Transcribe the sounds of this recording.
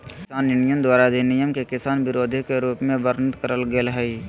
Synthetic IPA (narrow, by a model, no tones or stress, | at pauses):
kɪsaːnɪnijənd̪waːɾad̪ʱinijəmkekɪsaːnʋɪɾoːd̪ʱikeɾuːpmẽʋəɾnət̪kəɾəlɡelɦɛ